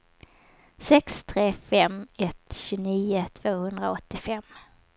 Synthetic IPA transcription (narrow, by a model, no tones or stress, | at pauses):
sɛkst̪ʰɾeːfɛmɛt̪ɕɵniːʊt̪ʰv̥oːhɵnd̪ɾaɔt̪ːɪfɛmː